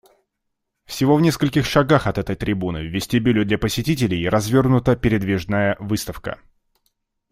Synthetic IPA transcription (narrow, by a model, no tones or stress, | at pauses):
fsʲɪvo̞vnʲe̞skəlʲkʲɪxʂɐɡaxɐt̪ɛt̪əjt̪ɾʲɪbunɨ̰vvʲːɪsʲtʲɪbʲilʲʊd̪lʲapəsʲɪtʲit̬ʲɪlʲɪjɾɐzvʲo̞rɡnʊt̪əpʲɪɾʲɪd̪vʲiʐnajəvɨst̪əfkə̰